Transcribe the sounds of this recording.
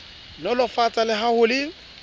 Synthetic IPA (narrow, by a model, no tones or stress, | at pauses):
lɔlʊfat͡sʼalɪɦahʊlɪ